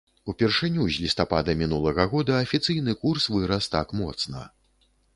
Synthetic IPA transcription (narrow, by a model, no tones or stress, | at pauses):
upʲɛrʂɨnʲuzʲlʲist̪apa̰d̪ɐmʲinulˠɐɣɐɣɔd̪ɐɐfʲit̪sɨjn̪ɨkursvɨɾɐst̪a̰kmɔ̰t̪snɐ̰